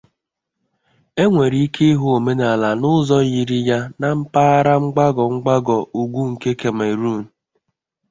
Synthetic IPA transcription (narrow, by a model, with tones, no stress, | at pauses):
e˦ŋʷe˨ɾi˦i˦kʰe˦i˦ɦu˦o˨me˦na˨la˨nʊ˦zɔ˦ji˨ɾi˦ja˦na˨m̩˦paː˦ɾa˦ŋ͡m̩˦ɡ͡ba˦ɡɔ˨ŋ͡m̩˦ɡ͡ba˦ɡɔ˨ʔu˨ɡʷu˦ŋ̩˨ke˦ke˨me˨ɾu˦˨n̩˨